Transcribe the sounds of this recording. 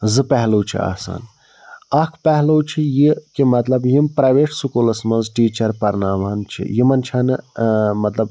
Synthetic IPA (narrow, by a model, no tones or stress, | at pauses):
zɨpɛɦloːt͡ʃʰḭa̰ːsa̰ːn | ɐkʰpɛɦloːt͡ʃʰijikimɐt̪lɐbjimpɾɐːjʋeːʈsukulɐsmɐnzʈiːt͡ʃɐɾpɐɾnaːʋaːnt͡ʃʰḭjimɐnt͡ʃʰɐnɨmɐt̪lɐb̚